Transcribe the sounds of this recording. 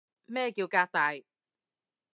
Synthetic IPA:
mɛː˥˧ki˧˩kaː˧t̪a˨˦j

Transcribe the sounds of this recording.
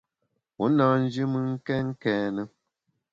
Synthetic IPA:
wu˨˦nɔ˨n̩˦d͡ʒi˦mɨ˦ŋ̩˦kɛ˦ŋ̩˦kɛː˨nə˦

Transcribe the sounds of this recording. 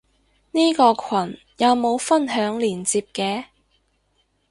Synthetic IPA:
niː˥kɔː˧kʰwɐ˨˩n | jɐ˨˧wmo˨˧wfɐ˥nɦœː˨˥ŋliː˨˩nt͡siː˧p̚kɛː˨˧

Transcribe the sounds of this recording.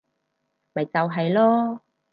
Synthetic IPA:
mɐ˨jt͡sɐ˨wɦɐ˨jlɔː˥

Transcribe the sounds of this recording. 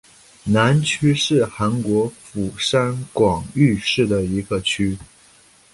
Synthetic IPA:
na˧˥nt͡ɕʰy˥ʂɻ̩˥˩xa˧˥nkwɔ˧˥fu˨˩ʂa˥nkwɑ˨˩ŋy˥˧ʂɻ̩˥˩d̪ə˩i˧˥ɡə˧t͡ɕʰy˥

